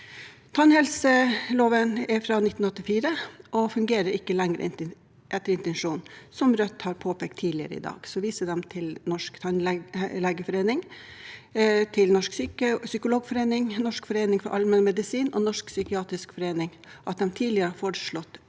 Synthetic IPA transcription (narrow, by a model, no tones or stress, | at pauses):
t̪ʰɑnhɛlsəloːʋənɛfɾɑnɪt̪ːn̩ɔt̪ːɪfiːɾəʔɔfʉŋɡeːɾəɾɪkːəlɛŋɾə̰ɪ̰ | ʔɛt̪ːəɾɪnt̪ɛnʂuːnsɔmɾœt̪ːhɑːɾpʰoːpʰɛk̚t̪ʰːiːlɪə̰ɾə̰ɪ̰d̪ɑ̰ːɡ̥sɔʋiːsəd̪ɛmt̪ʰɪlnɔʂkt̪ʰɑnlɛlɛɡəfɔɾeːnɪŋ | t̪ʰɪlnɔʂksyːkəsʏkʊloːɡfɔɾeːnɪŋnɔʂkfɔɾeːnɪŋfɔɾʔɑlmɛnmɛd̪ɪsiːnɔnɔʂksʏkɪɑːt̪ɾɪskfɔɾeːnɪŋ | ʔɑt̪̚d̪ɛmt̪ʰiːlɪəɾəɑfɔɾʂɭɔt̪ː